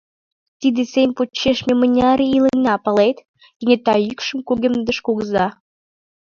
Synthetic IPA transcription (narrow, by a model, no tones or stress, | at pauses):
t̪id̪esemʲpot͡ɕːeʃmʲemə̆nʲɑɾeilənːɑpəlet̪ | kenʲet̪ɑykʃə̆mkuɣemd̪ə̆ʃkuɣəzɑ